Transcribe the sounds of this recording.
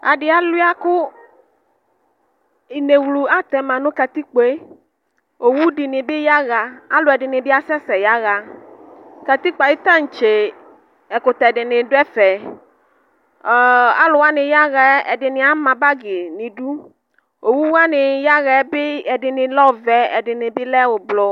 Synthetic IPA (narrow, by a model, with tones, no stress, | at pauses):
a˨dɪ˨a˦lʊ˦a˦kʊ˦ | i˨ne˨wlu˨a˦t̪ɛ˨mã˨nʊ̃˦ka˨t̪i˦k͡pe˦ | o˨wu˦dɪ˨nɪ˨bɪ˦ja˦ɣa˨a˦lʊ˨ɛ˨dɪ˨nɪ˨bɪ˦a˦sɛ˦sɛ˨ja˦ɣa˨ | ka˨t̪i˦k͡pa˨jɪ˦t̪a˦˨n̩˨t͡ʃe˨ | ɛ˨kʊ˨t̪a˨dɪ˨nɪ˨dʊ˦ɛ˦fɛ˨ | a̰˦lʊ˨wa˦nɪ˨ja˦ɣɛ˨˦ɛ̰˨dɪ˨nɪ˨a˦mã˨ba˦ɡɪ˨nɪ̃˨du˦ | o˨wu˦wa˦nɪ˨ja˦ɣɛ˨˦bɪ˦ɛ˨dɪ˨nɪ˨lɔ˦˨vɛ˨ɛ˨dɪ˨nɪ˨bɪ˦lɛ˦wʊ˨blʊ˨